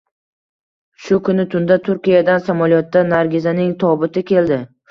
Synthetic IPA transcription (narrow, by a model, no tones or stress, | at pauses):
ʃʊkʰʊnɪt̪ʰʊnd̪at̪ʰʊɾkʲijad̪ansamaljɒt̪ːanaɾɡʲɪzanɪŋt̪ʰɒbɪt̪ʰɪkʲe̞ld̪ɪ